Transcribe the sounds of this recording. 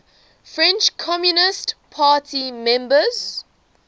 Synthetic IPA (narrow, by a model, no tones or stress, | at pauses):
fɹɛ̃nt͡ʃkʰɔmjunɪstpʰaːtʰimɛ̃mbəz̥